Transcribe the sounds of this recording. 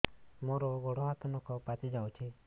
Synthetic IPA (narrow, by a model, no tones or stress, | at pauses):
moɾɔɡɔɽɔɦat̪ɔnɔkɔpat͡ʃid͡ʒaũt͡ʃʰi